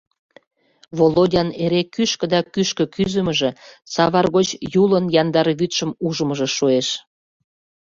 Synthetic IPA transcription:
βolodʲɑneɾekyʃkə̆d̪ɑkyʃkə̆kyzəmə̆ʒĕsɑβɑrɣot͡ɕjulənjɑnd̪ɑɾɣyt̪ʃəmuʒəməʒə̆ʃueʃ

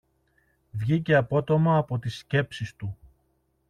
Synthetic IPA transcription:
vʝice̞ɐpo̞t̪o̞mɐːpo̞t̪isce̞psist̪u

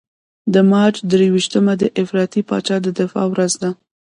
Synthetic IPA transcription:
d̪əmɑt͡ʃd̪ɾewiʃt̪əmad̪əʔɪfɾɑt̪ipɑ̰t͡ʃɑd̪əd̪ɪfɑ̰wɾazd̪a

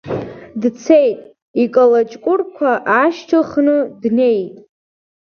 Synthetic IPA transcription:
dt͡sʰe̞jtʼ | ikʼalat͡ʃʼkʷʼʊrkʷʰaʔaʃt͡ʃʰɨχnɨdne̞jtʼ

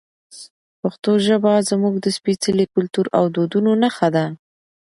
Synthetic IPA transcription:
paxt̪oʒəbɑzmuɡd̪əspit͡səlikʊlt̪uɾa̰wd̪od̪unonaxad̪a

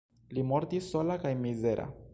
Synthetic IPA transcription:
limoɾt̪isːo̞lakajmizeɾʔa̰

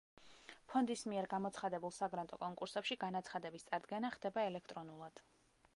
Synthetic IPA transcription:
pʰɔnd̪ismiɛɾɡamɔt̪sʰχad̪ɛbulˠsaɡɾant̪ʼɔkʼɔŋkʼuɾsɛpʃiɡanat̪sʰχad̪ɛbist̪sʼaɾd̪ɡɛnaχd̪̥ɛbaɛlɛkʰt̪ʼɾɔnulˠad̪̥

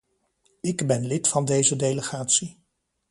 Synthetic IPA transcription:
ɪɡbɛnlɪtfɑndejzədejləχaːtsi

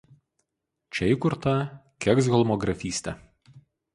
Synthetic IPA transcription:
t͡ʃʲɛɪkʊɾt̪ɐkʲɛksɡʲɛlˠmɔɡɾɐfʲiːsʲt̪ʲɛ

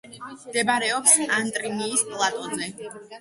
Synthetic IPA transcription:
md̪ɛbaɾɛɔpsant̪ʼɾiniːspʼlˠat̪ʼɔnːɛ

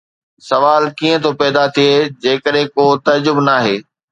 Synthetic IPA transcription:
sɐʋaːlkiːə̃t̪ʰopɛːd̪at̪ʰied͡ʑeːkəɗɦẽkoːt̪ɐd͡ʑʊbnaːɦeː

